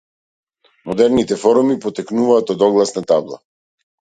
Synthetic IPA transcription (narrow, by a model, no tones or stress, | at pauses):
mɔd̪ɛɾnit̪ɛfɔɾumipɔt̪ɛknuvaːt̪ɔd̪ɔɡlˠasnat̪ablˠa̰